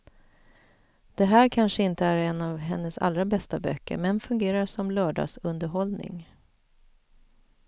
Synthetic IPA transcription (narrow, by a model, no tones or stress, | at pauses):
d̪̥ɛɦæːɾkʰanʂəɪnt̪əæɾɛnːavɦɛnːəsa̰lɾabɛst̪abœ̰kːə̰ɾmɛnfɵŋɡeːɾaʂɔmlœːɖɑ̰ːsɵnd̪əɾɦɔlnɪ̰ŋ